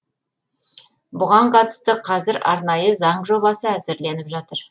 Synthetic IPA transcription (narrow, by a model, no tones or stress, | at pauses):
bʊʁɑɴqʰɑt̪ə̥st̪əqʰɑzɪɾɑ̰ɾnɑjəzɑɴʒo̞βɑsəæzɪɾle̞nɪpʒɑt̪əɾ